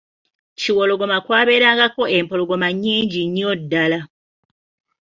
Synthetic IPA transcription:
ciwoloɡo̞makwaːβe̞ːɾaːŋɡako̞e̞mpo̞loɡo̞maɲːiːɲɟiɲːodːala

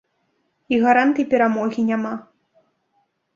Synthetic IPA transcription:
iɣaɾant̪ɨjpʲɛɾamɔɣʲinʲama

